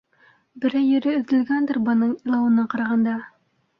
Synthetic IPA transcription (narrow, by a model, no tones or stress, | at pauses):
bɘ̆ɾæjːɵ̆ɾɘɵ̆ðd̪ɘ̆lɡænd̪ɘɾbɤ̆nɤɴilˠɑwɤ̆nɤɴqɑɾɑʁɑnd̪ɑ